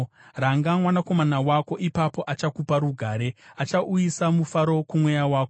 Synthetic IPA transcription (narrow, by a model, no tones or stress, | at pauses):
raŋɡamwanako̞manawako̞ʔipapo̞ʔat͡ʃakupaɾuɡʱaːɾe̞at͡ʃaʔujisamufaɾo̞kumwe̞jawaːko